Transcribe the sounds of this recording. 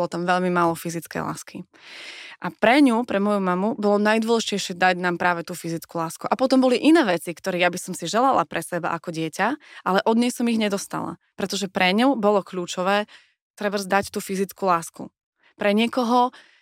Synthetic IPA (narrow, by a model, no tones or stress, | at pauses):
ɔlɔt̪amʋɛʎmimaːlɔfizit͡skɛ̰jla̰ːskʰi | ʔapɾɛɲupɾɛmɔjumamubɔlɔnajd̪ʊɔlɛʒicɛjʃɪɛd̪aɟnaːmpɾaːʋɛt̪uːfizit͡skulaːskuʔapɔt̪ɔmbɔliʔinɛːʋɛt͡sikt̪ɔɾɛːjabisɔmsiʒɛlala̰pɾʔɛsɛba̰ʔakɔɟɪɛcaʔalɛʔɔd̪ɲɛjsɔmiɣɲɛd̪ɔst̪a̰la̰pɾɛt̪ɔʒɛpɾɛɲɔʊbɔlɔkʎuːt͡ʃɔʋɛː | t̪ɾɛbarzd̪act̪uːfizit͡skulaːskṵ | pɾɛɲɪɛkɔɦɔ